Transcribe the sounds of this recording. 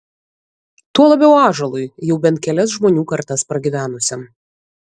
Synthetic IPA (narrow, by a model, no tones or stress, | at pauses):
t̪uɔlˠɐbʲɛʊɑːʒɐlˠʊɪjɛʊbʲɛnt̪̚kʲɛlʲɛsʒmoːnʲuːkɐɾt̪ɐspɾɐɡʲiʋʲæːnʊsʲɛm